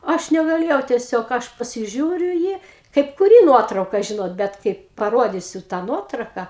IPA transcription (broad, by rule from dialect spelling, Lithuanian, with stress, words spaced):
ˈɐʃ nʲɛɡɐˈlʲeːjɛʊ tʲiɛˈsʲoːk ˈɐʃ pɐsʲɪˈʒʲuːrʲʊ ɪ ˈjiː kɐɪp kʊˈrʲiː ˈnuɔtrɐʊkɐ ˈʒʲɪnoːt ˈbʲɛt kɐɪp pɐˈroːdʲiːsʲʊ tɑː ˈnuɔtrɐʊkɐ